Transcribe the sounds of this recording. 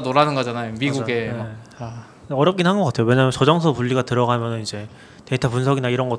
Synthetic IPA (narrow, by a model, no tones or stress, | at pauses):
doɾanɯnɡʌd͡ʑanajomiɡuɡe̞ma | a | ʌɾjʌp̚k͈inɦanɡʌk͈atʰejowe̞ɲamjʌnt͡ɕʌd͡ʑʌŋsʰʌpuʎːiɡatɯɾʌɡamjʌnɯnid͡ʑe̞ | teitʰapunsʰʌɡinaiɾʌnɡʌt